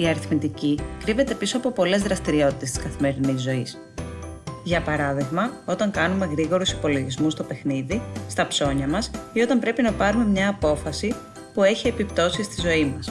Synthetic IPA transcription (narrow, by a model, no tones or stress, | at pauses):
iɐɾiθmit̪icikɾive̞t̪e̞piso̞ɐpo̞po̞le̞zðɾɐst̪iɾio̞t̪it̪est̪iskɐθime̞ɾinizːo̞is | ʝɐpɐɾɐðiɣmɐo̞t̪ɐŋkɐnume̞ɣɾiɣo̞ɾusi̥po̞lo̞ʝizmust̪o̞pe̞xniðist̪ɐpso̞ɲɐmɐsio̞t̪ɐmpɾe̞pinɐpɐɾume̞mɲɐːpo̞fɐsi | pue̞çie̞pipt̪o̞sist̪izo̞imɐs